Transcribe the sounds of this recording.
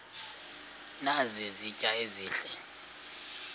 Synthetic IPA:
nazizicʼaeziːɬɛ

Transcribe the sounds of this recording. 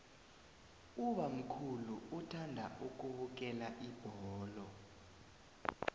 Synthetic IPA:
uɓam̩kʰuluutʰandʱaʔuk̬ʼuɓuk̬ʼɛlaʔib̥ʱɔːlɔ

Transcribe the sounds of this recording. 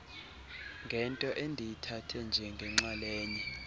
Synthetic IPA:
ŋɡʱɛntʼɔʔɛndʱijitʰatʰɛnd͡ʒʱɛŋɡʱɛŋ͡ǁalɛːɲi

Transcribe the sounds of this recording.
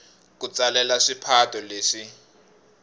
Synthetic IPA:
k̬ut͡salɛlaʂipʰatʰʼɔleːʂi

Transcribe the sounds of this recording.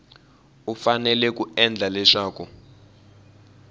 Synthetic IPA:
ufanɛlɛk̬ʼuɛnd͡ɮʱalɛʂaːk̬u

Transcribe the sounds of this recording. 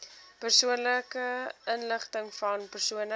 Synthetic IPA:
pərsuənləkəənləχtəŋfɐnpərsuənə

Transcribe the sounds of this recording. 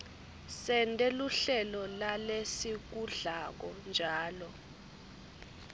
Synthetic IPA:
sɛntʼɛluɬɛlɔlalesik̬uɮak̬ɔnd͡ʒʱaːlɔ

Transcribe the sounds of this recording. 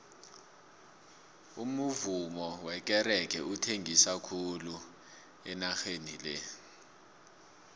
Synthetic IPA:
umuvumɔwɛk̬ɛɾɛk̬ʰɛutʰeŋʱisakʰulu | ɛnaxenilɛ

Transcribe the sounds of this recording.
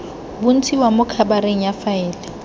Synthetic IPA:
bʊn̩tʰiwamʊkʰabaɾeŋ̩jafaɛːlɛ

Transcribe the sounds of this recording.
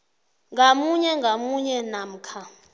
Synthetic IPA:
ŋɡʱamuɲɛŋɡʱamuɲɛnam̩kʰa

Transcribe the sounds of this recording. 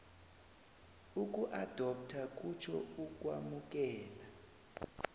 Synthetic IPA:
uk̬ʼuʔad̥ʱɔp̚tʰak̬ʼut͡ʃʰɔ̰uk̬ʼwamuk̬ʼɛːla

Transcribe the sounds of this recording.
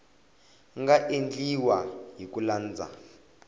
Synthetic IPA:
ŋɡaʔend͡ɮiwaɦikulaːnd͡za̰

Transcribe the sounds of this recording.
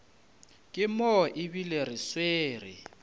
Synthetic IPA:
kʼɪmɔʔɪbilerɪsweːrɪ̰

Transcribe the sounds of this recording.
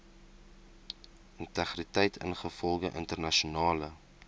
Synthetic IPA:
əntæχritɛjtʰə̰nχəfɔlˠɡəʔə̰ntərnɐʃunɑːlə

